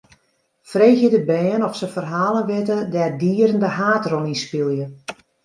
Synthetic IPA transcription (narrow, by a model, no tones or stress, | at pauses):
frejxjədəbɛːnɔfsəfərɦaːlˠənʋɪtədɛrdiːəɾəndəɦaːtrɔninspilˠjə